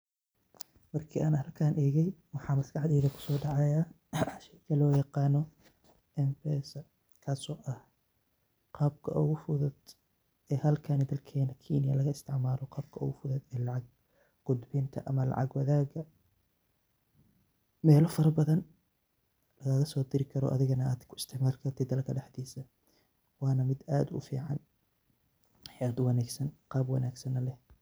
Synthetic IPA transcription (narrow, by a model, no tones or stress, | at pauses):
mɐrkʰiːʔaːnhɐlkʰaːnʔɛːɣɛjwɑħɑːmɐskʰɑħd̪ɛːðɐkʰʊ̥sɔːɖɑʕɑjaː | ʃɛkʰɐlɔːjɑqɑːnɔ | ɛmbɛːsɐ | kʰaːsɔːʔɐh | qɑːb̚kʰɐ̰ʔʊɣʊfʊðʊd̪ | ɛːhɐlkʰanɪd̪ɐlkʰɛːnɐkʰiːnɪjɐlɐɣɐɪst̪ʰɪʕmaːlɔqɑːb̚kʰɐʊ̰ɣʊfʊðʊd̪ɛːlɑʕɑɡ̚ | ɡ̥ʊd̪bɪnt̪ʰɐʔɐmɐlɑ̰ʕɑ̰ɡwɐðaːɣɐ | mɛːlɔfɐɾɐbɐðɐn | lɐɣaːɣɐsɔːd̪ɪɾɪkʰɐɾɔ̰ːʔɐðɪɣɐnɐaːd̪kʰʊɪst̪ʰɪʕmaːlkʰɐrt̪ʰɪd̪ɐlkʰɐɖɐħd̪iːsɐ | wɑːnɐmɪd̪a̰ːd̪ʊ̰fḭːʕɑn | ħɛɐd̪ʊwɑnaːɡsɐnqɑːbwɑnaːɡsɐnɐlɛh